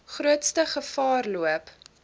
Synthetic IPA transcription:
χruətstəχəfɑːrluəp

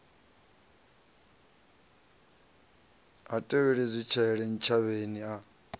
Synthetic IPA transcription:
ɦatʼɛβɛɺizʷit͡ʃʰaɛɺɛn̩t͡ʃʰaβenia

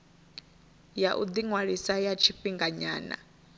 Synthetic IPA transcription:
jaʔud̪iŋwaɺisajat͡ʃʰiɸiŋɡaɲa̰ːna̰

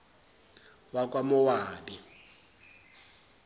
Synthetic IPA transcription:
wakʼwamʊwaːbi

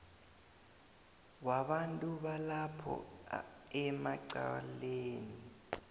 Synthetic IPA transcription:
waɓantʼuɓalapʰɔ̰ | ɛmaǀa̰leːni

